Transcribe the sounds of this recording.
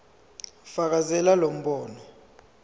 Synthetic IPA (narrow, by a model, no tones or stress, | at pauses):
fak̬azɛlalom̩ɓɔːnɔ